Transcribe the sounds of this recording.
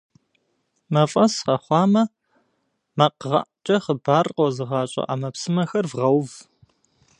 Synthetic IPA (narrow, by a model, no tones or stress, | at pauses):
mɐfʼɐsqɐχʷɑːmɐ | mɐqʁɑ̰ʔt͡ʃʼɐχəbaːrqɔzɨʁɑːɕʼɐ̰ʔa̰mɐpsɨmɐxɐrvʁɐwv